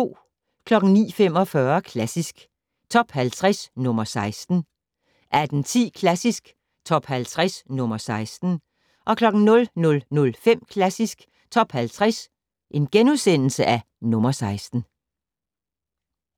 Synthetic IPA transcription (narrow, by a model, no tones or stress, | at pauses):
t͡sʰo̝̰ː | kʰlɒ̽ɡ̥n̩nḭːfem̰ɒ̽fɶɐkʰlæsisɡ̥ | t͡sʰɒ̽b̥hælt͡sʰʁɛsnɔ̽mɐsɑ̈ɪsd̥n̩ | ʔæd̥n̩t͡sʰḭːkʰlæsisɡ̥ | t͡sʰɒ̽b̥hælt͡sʰʁasnɔ̽mɐsɑ̈ɪsd̥n̩ | ʔɒ̽kʰlɒ̽ɡ̥n̩nɔ̽lnɔ̽lnɔ̽lfem̰kʰlæsisɡ̥ | t͡sʰɒ̽b̥hælt͡sʰʁɛs | ʔe̝nɡ̥enuðˠsen̰l̩səʔæ | nɔ̽mɐsɑ̈ɪsd̥n̩